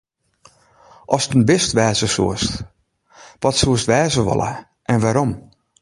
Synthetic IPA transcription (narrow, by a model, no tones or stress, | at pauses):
ʔɔstənbɪstʋɛːzəsṵəst | ʋɔtsuəstʋɛːzəʋɔ̰lə̰ | ʔɛnʋaːɾom